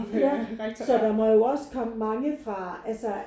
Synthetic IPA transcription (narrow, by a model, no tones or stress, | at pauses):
ɐsɒ̽d̥ɑ̈mɒ̽jo̝ɒ̽skʰɒ̽məmɑ̈ŋəfʁɑ̈ælsə